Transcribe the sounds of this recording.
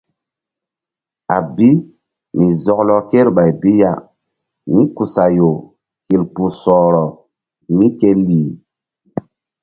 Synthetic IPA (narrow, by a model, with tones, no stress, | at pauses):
a˨bi˦ | mi˨zɔ˨klɔ˨ke˦ɾɓa˨jbi˦ja˨ | mi˦ku˨sa˨jo˨ | ki˨lpu˨sɔː˨ɾɔ˨ | mi˦ke˦liː˨